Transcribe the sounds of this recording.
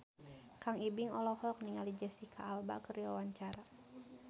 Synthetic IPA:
kaŋibiŋɔlɔhlɔk̚niŋalid͡ʒɛsikʰaːlba̰kəriawaɲt͡ʃaɾa

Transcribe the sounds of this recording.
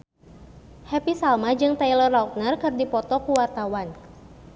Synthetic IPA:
hɛpisalmad͡ʒɨŋt̪ajlərauk̚nərkɨrdipɔt̪ɔkuwart̪awan

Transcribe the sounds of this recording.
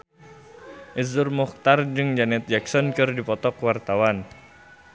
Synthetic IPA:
ʔizʊrmɔxt̪ard͡ʒɨŋd͡ʒanɛt̪̚d͡ʒaksɔnkɨrdipɔt̪ɔkwart̪awan

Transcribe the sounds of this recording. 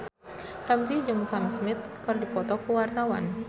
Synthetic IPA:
ramsid͡ʒʊŋsamsmɪt̪̚kərdipɔt̪ɔkuwart̪awa̰n

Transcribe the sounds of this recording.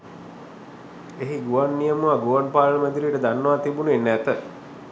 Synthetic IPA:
eɦiɡuʋanːijəmuʋaɡuʋanpaːləməd̪iliʈəd̪anːəʋat̪ibunenːæt̪ə

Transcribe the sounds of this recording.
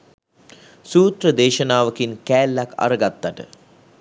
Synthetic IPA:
suːt̪rəd̪eːʃənaːʋəkinkæːlːaka̰ɾəɡat̪ːaʈə̰

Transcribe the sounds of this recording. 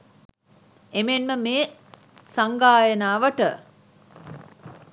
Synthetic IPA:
emenməmeː | saŋɡaːjənaːʋəʈə

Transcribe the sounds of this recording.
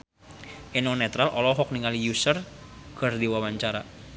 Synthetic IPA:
ʔinɔnɛt̪ɾalʔɔlɔɦɔk̚niŋalijusərɡ̥ə̤rd̪iwawaɲt͡ʃaɾa

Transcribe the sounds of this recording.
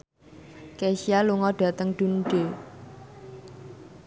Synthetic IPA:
keʃialuŋɔɖ̥a̤t̪əŋɖ̪̥ṳnɖ̥e

